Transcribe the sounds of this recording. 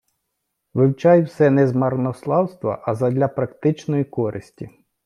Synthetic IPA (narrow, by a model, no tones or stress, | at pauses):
ʋɪwt͡ʃɑjwsɛnɛzmɐrnɔslˠɑwst̪ʋɐ̰ʔɐzɐd̪ʲlʲɐpɾɐkt̪ɪt͡ʃnɔjikɔɾɪsʲtʲi